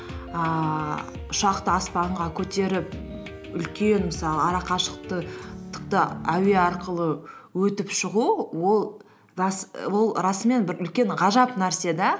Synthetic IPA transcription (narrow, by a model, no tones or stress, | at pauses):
ə | ʊʃɑqt̪əɑspɑɴʁɑkʲʰɵt̪e̞ɾɪp̚ | ʏlkʲenmɪsɑlˠəɑɾɑqɑʃə̥q̚t̪ət̪ʰə̥qt̪ɑæwe̞ɑɾqəlˠəwɵt̪ɪpʃəʁuwo̞lˠ | ɑswo̞lˠɾɑsəme̞nbɪɾʏlkʲe̞ɴʁɑʒɑpnæɾse̞d̪ɑ